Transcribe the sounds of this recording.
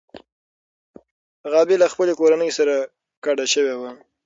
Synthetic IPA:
ɣɑbelaxpəlekoɾanəjsaɾa | kaɽaʃəwewa

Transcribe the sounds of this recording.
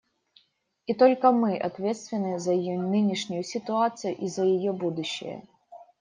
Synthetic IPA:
it̪olʲkəmɨʔɐ̰t̪vʲet̪st̪vʲɪnːɨzɐjɪjɔnɨnʲɪʂnʲʊjʊsʲɪt̪ʊat̪sɨjʊʔizəjɪjɔbud̪ʊɕːɪ̰jə̰

